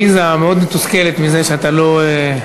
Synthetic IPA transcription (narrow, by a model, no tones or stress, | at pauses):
izameo̞d̪met̪uskelet̪mizeʃeat̪alo̞e